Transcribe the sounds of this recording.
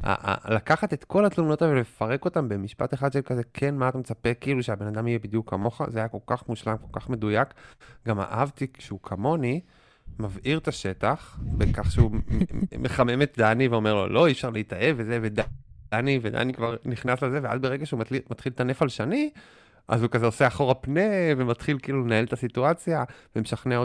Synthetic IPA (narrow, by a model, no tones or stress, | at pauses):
a̰ʔa̰lakaχat̪e̞t̪ko̞lat̪luno̞tavvelefaʁe̞ko̞tambe̞miʃpa̰t̪eχad̪ʃelkazekʰenmaat̪amet͡sapekːiiluʃeabe̞nad̪amijebid̪jukʰːamo̞χa̰zeajako̞lkaχmuʃlamko̞lkaχme̞dujakɡama̰ʔavt̪ikʃeukʰamo̞ni | mavʔiʁt̪aʃe̞t̪aχbekaχʃeumeχame̞met̪̚d̪aniveo̞meʁlo̞̰lo̞iːfʃaʁleitaevezevedaanived̪a̰nikvaʁniχnaslezevea̰zbeʁeɡaʃeumimat̪χilt̪anefalʃani | ʔa̰zhukazeoseaχo̞ʁapnevemat̪χilkiiːlunaelt̪asituat͡sjavemeʃaχneo